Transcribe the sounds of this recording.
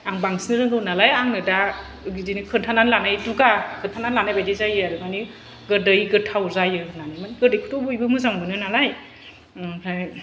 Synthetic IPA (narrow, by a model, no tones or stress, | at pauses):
aŋbaŋsinɯɾɯŋɡɯwnalajaŋnɯda | ɯɡidinikʰɯntʰananlanajduɡakʰɯntʰananlanajbajdizajɯaɾɯmani | ɡɯdɯjɡɯtʰawzajɯnanamanɡɯdɯjkʰutʰɔbɯjbɯmɯzaŋbɯnɯnalaj | hʰaj